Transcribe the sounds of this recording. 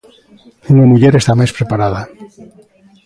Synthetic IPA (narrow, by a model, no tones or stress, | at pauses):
unamuʎeɾest̪amespɾepaɾaða